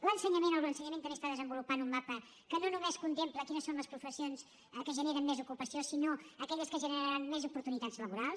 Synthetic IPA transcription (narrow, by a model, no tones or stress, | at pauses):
lənsəɲəmenolənsəɲəment̪əmest̪aðəzəmbulupanumːapə | kənonumeskunt̪empləkinəsonləspɾufəsionz | əkəʒəneɾəmːezukupəsiosinoəkɛʎəskəʒənəɾaɾanmezupuɾt̪unit̪add͡zzləβuɾalˠs